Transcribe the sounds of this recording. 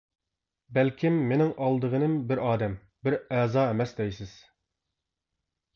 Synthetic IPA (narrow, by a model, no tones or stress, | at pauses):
bɛlkʲʰimːenɪŋʔɑlˠd̪əʁənɨmbɪɾʔɑːd̪ɛm | bɪɾɛːzɑːɛmɛsd̪ɛjsɪz̥